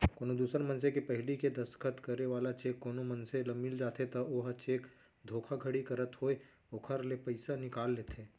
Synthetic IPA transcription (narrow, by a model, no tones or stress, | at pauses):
koːnod̪uːsəɾmɐns̬ekepɐɦɪliked̪ɐsə̥kʰət̪kɐɾeʋaːlat͡ʃeːkːoːnomɐnselɐmːɪld͡ʒaːt̪ʰet̪ɐoːɦət͡ʃeːk | d̪ʱoːkʰaɡʱɐɽikɐɾət̪ɦoːe | oːkʰəɾlepɐɪsanɪkaːlːeːt̪eː